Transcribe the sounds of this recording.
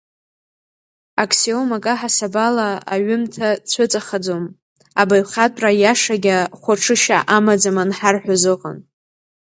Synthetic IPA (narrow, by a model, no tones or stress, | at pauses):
akʰsiomakʼaħasabalaa̰ɥʏmtʰat͡sʷʰʊt͡sʼaχad͡zom | abajχʲatʼrajaʂaɡʲaχʷaʈ͡ʂʰɨʃaʔamad͡zamanħarħʷᶣazɨqʼa̰n